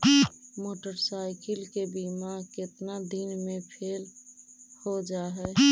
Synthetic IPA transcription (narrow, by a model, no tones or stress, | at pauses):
moːʈəɾsaɪkɪlkebimaɾkɪt̪nad̪inmẽpʰeːl | hod͡ʒaɦɛ